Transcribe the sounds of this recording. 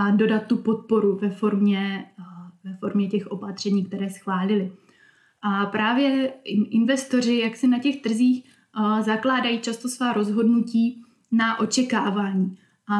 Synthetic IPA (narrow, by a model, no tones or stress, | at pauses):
ado̞dat̪̚ːupo̞t̪̚po̞ɾuvɛfo̞ɾmɲɛ | vɛfo̞ɾmɲɛcɛxʔo̞pat̪r̝̥ɛɲiːk̚t̪ɛɾɛːsxvaːlɪlɪ | ʔapɾaːvjɛɪʔɪnvɛst̪o̞r̝ɪjaksɪnacɛxt̪r̩ziːx | zaklaːdajiːt͡ʃast̪o̞svaːɾo̞zɦo̞dnuciː | naʔo̞t͡ʃɛkaːvaːɲiː | ʔa